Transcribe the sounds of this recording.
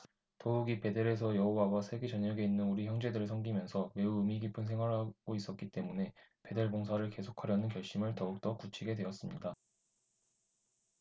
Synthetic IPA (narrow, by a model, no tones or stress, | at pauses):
touɡipe̞deɾe̞sʰʌjʌɦowawasʰe̞ɡe̞t͡ɕʌɲjʌɡe̞inːɯnuɾiçjʌŋd͡ʑe̞dɯɾɯɭsʰʌŋɡimjʌnsʰʌme̞uɯmiɡipʰɯnsʰe̞ŋɦwaɾɦaɡ̥ois͈ʌk͈it͈e̞mune̞pe̞de̞ɭboŋsʰaɾɯɭke̞sʰokʰaɾjʌnɯnkjʌɭɕ͈imɯɭtʌuk̚t͈ʌkut͡ɕʰiɡe̞dwe̞ʌs͈ɯmɲida